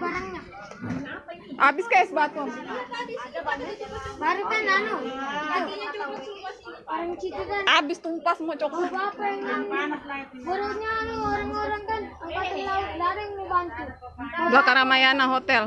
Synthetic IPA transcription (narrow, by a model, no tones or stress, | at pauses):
baɾaŋɲa | ʔabɪskaasbat̪ɔ | baɾit̪ananu | ŋt͡ʃit̪ukanabɪst̪umpasəmuat͡ʃɔkɔapaŋ | səɾusɲaːnuoɾaŋoɾaŋkanukat̪utaudaɾɛŋmubant̪ubakaɾamajanaɦot̪ɛl